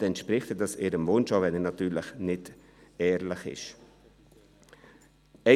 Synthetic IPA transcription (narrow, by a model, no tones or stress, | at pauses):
ɛntʃpɾɪχtədɑsɪːɾəmvʊnʃovɛnɛnɑtyːɾləχnɪt | ɛːɾləχɪ̰ʃ | ɛ